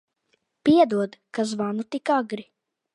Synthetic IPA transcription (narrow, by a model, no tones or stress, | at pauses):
piɛd̪uɔd̪kazvanut̪ikaɡɾi